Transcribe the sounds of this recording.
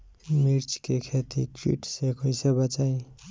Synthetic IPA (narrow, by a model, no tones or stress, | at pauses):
miɾt͡skekʰet̪ḭkɾḭʈsekʰʌjsebat͡saĩ